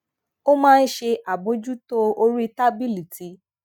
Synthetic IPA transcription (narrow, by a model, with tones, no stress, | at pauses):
o˦mãː˦˧n̩˦ʃe˧ʔa˨bõ˨˦d͡ʒu˦to˦o˧ɾi˦ta˦bi˦li˨ti˨˦